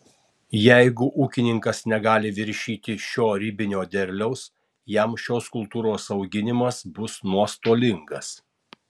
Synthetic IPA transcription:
jɛɪɡʊʔuːkʲɪnʲɪŋkɐsnʲɛɡɑːlʲɪʋʲɪɾʲʃʲiːt̪ʲɪʃʲoːɾʲɪbʲɪnʲoːd̪ʲɛɾʲlʲɛʊs | jɛmʃʲoːskʊlˠt̪uːɾoːsɐʊɡʲɪnʲɪmɐsbʊsnuɔst̪oːlʲɪŋɡɐs

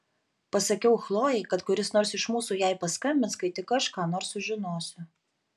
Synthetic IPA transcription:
pɐsɐkʲɛʊxlˠoːjɛɪkɐt̪kʊɾʲɪsnoːɾsɪʃmuːsuːjæɪpɐskɐmʲbʲɪnskɐɪt̪ʲɪkːɐʃkɑːnoːɾsʊʒʲɪnoːsʲʊ

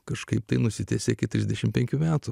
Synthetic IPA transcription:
kɐʃkɐɪpt̪ɐɪnʊsʲɪt̪ʲæːsʲeɪkʲɪtʲɾʲɪzʲd̪ʲɛʃʲɪmpʲɛŋʲkʲumʲæːt̪ʊ

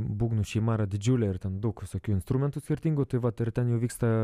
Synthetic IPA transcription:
buːɡnuʃʲɛɪmɑːɾɐd̪ʲɪd͡ʒʲuːlʲɛɪɾt̪ʲɛnd̪ʊkʋʲɪsokʲuːɪnst̪ɾumʲɛnt̪ʊsʲkʲɪɾʲt̪ʲiːŋɡʊt̪ɐɪʋɐt̪ɪɾt̪ʲɛnjɛʊʋʲiːkst̪ɐ

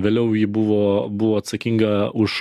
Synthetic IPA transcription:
ʋʲeːlʲɛʊjɪbʊʋoːbʊʋoːɐt̪sɐkʲɪŋɡɐʊʃ

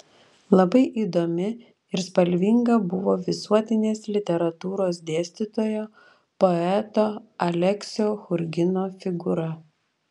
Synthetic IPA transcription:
lˠɐbɐɪʔiːd̪oːmʲɪ | ɪɾspɐlʲʋʲiŋɡɐbʊʋoːʋʲɪsuɔt̪ʲɪnʲeːslʲɪt̪ʲɛɾɐt̪uːɾoːsd̪ʲeːsʲt̪ʲɪt̪oːjoː | pɔɛt̪oːɐlʲɛksʲoːxʊɾʲɡʲɪnoːfʲɪɡʊɾɐ

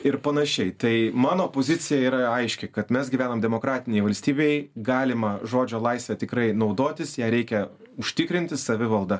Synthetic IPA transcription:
ɪɾpɐnɐʃʲɛɪt̪ɐɪmɑːnoːpoːzʲɪt̪sʲɪjɛiːɾɐɐɪʃʲkʲɛkɐt̪mʲɛsɡʲiʋʲæːnomd̪ʲɛmoːkɾɑːt̪ʲɪnʲɛjɪʋɐlʲsʲt̪ʲiːbʲejɡɑːlʲɪmɐʒoːd͡ʒʲoːlˠɐɪsʲʋʲɛt̪ʲɪkɾɐɪnɒʊd̪oːt̪ʲɪsjæːɾʲɛɪkʲɛ | ʊʃʲt̪ʲɪkɾʲɪnʲt̪ʲɪsɐʋʲɪʋɐlˠd̪ɐ

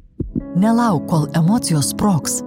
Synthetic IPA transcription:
nʲɛlˠɐˑʊkːoːlˠɛmɔːt̪sʲɪjoːspɾoːks

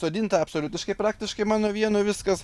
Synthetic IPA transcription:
soːd̪ʲɪːnt̪ɐɐpsoːlʲʊt̪ʲɪʃkɐɪpɾɑːk̚t̪ʲɪʃkɐɪmɑːnoːʋʲiɛnoːʋʲɪskɐs

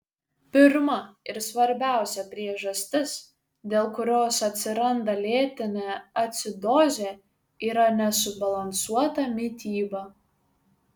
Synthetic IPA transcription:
pʲɪɾmɐɪɾsʋɐɾʲbʲæˑʊsʲɛpʲɾʲiɛʒɐsʲt̪ʲɪs | d̪ʲeːlˠkʊɾʲoːsɐt̪ʲsʲɪɾɐnd̪ɐlʲeːt̪ʲɪnʲɛːɐt̪ʲsʲɪd̪oːzʲe | iːɾɐnʲɛsʊbɐlˠɐnsuɔt̪ɐmʲɪt̪ʲiːbɐ

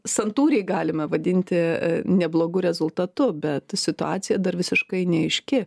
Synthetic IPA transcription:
sɐnt̪uːɾʲɛɪɡɑːlʲɪmɐʋɐd̪ʲɪnʲt̪ʲɪnʲɛblˠoːɡʊɾʲɛzʊlˠt̪ɐt̪ʊbʲɛt̪sʲɪt̪ʊɑːtt͡s̪ʲɪjɛd̪ɐrʋʲɪsʲɪʃkɐɪnʲɛɪʃʲkʲɪ

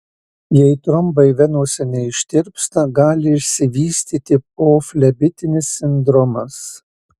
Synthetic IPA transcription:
jɛɪt̪ɾʊmbɐɪʋʲɛnuːsʲɛnʲɛɪɪʃʲt̪ʲɪɾʲpst̪ɐɡɑːlʲɪɪʃʲsʲɪʋʲiːsʲt̪ʲiːt̪ʲɪpoːfʲlʲɛbʲɪt̪ʲɪnʲɪsːʲɪnd̪ɾɔmɐs

